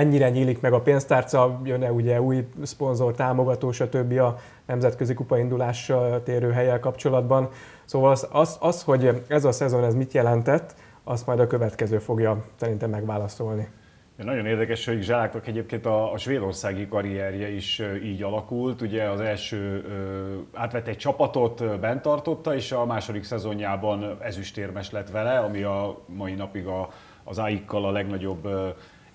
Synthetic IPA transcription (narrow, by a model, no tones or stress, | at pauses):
ɛɲːiɾɛɲiːlikmɛɡɒpeːnst̪aːrt̪sɒjønɛuɟɛuːjspo̞nzo̞rt̪aːmo̞ɡɒt̪oːʃɒt̪øbːiɒ | nɛmzɛt̪køzikupɒind̪ulaːʃːɒlt̪eːɾøːɦɛjɛlkɒpt͡ʃo̞lɒd̪bɒn | soːvɒlsɒsɒsho̞ɟɛzɒsɛzo̞nɛzmit̪jɛlɛnt̪ɛt̪ː | ɒst̪mɒjd̪ɒkø̞vɛt̪kɛzøːfo̞ɡjɒsɛɾint̪ɛmːɛɡʋaːlɒso̞lni | ɛnɒɟo̞neːrd̪ɛkɛʃho̞ɟʒalaːkt̪ɒkɛɟeːp̚keːnt̪ɒːʃʋeːd̪o̞rsaːɡikɒɾiɛrjɛiʃiːɟɒlɒkult̪uɟɛɒzɛlʃøːøːaːt̪ʋɛt̪ːɛc̚t͡ʃɒpɒt̪o̞t̪bɛnt̪ɒrt̪o̞t̪ːɒeːʃɒmaːʃo̞d̪iksɛzo̞ɲjaːbɒnɛzyʃt̪eːrmɛʃlɛt̪ʋɛlɛɒmiɒmɒinɒpiɡɒː | zajikːɒlɒlɛɡnɒɟo̞bː